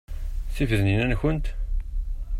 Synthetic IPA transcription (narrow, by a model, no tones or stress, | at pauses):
θivðninænçənt̪